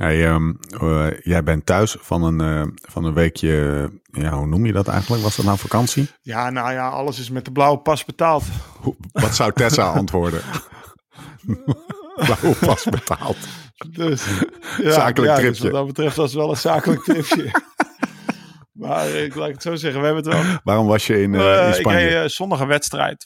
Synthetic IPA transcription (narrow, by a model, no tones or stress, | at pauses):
hḛjəm | jɛjbɛntœɥsfɑnənfɑnənʋeːkʰjəjaɦunumjədɔtɛ̰jɣən̩tləkʋɔsdɔtnafakɑnsijanajaɑ̰ləsɪsmɛt̚dəblawəpɑsbətaːlˠthuʋɔtsawtɛsaʔɑntʋoːɹdə | blawəpɑsbətʰa̰ːlˠtdssaːkələaarɪsjədɔbətrɛftɔsʋɛlˠəsaːkələk̚tɪpjə | maːrɪklaːkətsowzɛχənʋəɦɛbənətʋɛlˠʋaːrɔmʋɑsjəɪnɪnsɪpɑejəsɔndəχəʋɛtstrɛ̰jt